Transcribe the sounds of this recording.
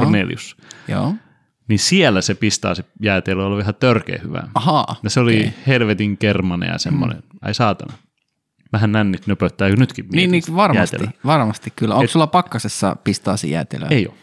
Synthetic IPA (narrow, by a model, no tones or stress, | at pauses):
rnelḭusjo̰ː | nisielːæsepist̪ɑ̰ːsijæːt̪eløoliʋæhæt̪ørkḛːhyʋæ̰ɑhɑːjɑseolihelʋet̪iŋkermɑnḛjɑ̰sḛmːo̰nḛnɑ̰isɑːt̪ɑnɑ | ʋæhænnænːit̪nøpøt̪ːæːkønyt̪kimniːniʋɑrmjæːst̪ḛlø̰ʋɑrmɑst̪ikkylːæoŋsulːɑpɑkːɑsesːɑ̰pist̪ɑ̰ːsḭjæ̰ːt̪ḛlø̰eio̰